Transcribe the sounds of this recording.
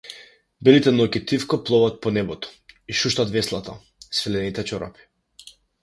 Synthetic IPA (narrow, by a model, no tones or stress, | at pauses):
bɛlit̪ɛnɔkit̪ifkɔplˠɔvat̪̚pɔnɛbɔt̪ɔ̥iʃuʃt̪at̪vɛslˠat̪a̰ | svɛlɛnit̪ɛt͡ʃɔɾa̰pi̥